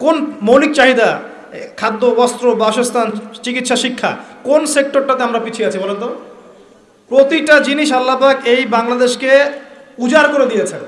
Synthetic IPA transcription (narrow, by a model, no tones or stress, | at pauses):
konmowlik̚t͡ɕaɦid̪a | kʰad̪ːobɔst̪ɾobaɔʃost̪ʰant͡ɕikit̪ːʃaʃikʰːa̰konsek̚ʈoɾʈat̪eamɾapit͡ɕʰueat͡ɕʰibɔlent̪o | pɾot̪iʈad͡ʑiniʃalːapakejbaŋlad̪eʃkeud͡ʑaɾkoɾed̪ijet͡ɕʰen